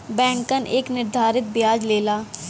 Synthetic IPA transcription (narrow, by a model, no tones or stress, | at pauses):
bɛ̃ːŋkəneːknɪɾd̪ʱaːɾɪt̪̚bjaːd͡ʒleːlaː